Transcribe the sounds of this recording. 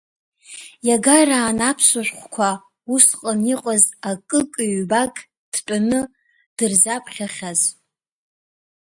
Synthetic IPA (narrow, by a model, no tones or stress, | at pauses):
jaɡaraːnapʰsʷaʃʷᶣχʷkʷʰa | usqʼəniqʷʼazakʼɨkʼiɥbakʼ | d̥ʈ͡ʂʼanɨ | d̥ɨrzapʰχʲaχʲaz